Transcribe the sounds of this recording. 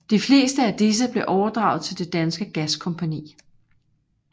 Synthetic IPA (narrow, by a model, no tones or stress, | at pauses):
d̥ifle̝ːsd̥əæd̥is̬əb̥le̝ʔɒʊɐd̥ʁɑ̈ʊð̩ˠt͡sʰe̝ld̥e̝d̥ænsɡ̥əɡ̥æskʰɒ̽mpʰænḭː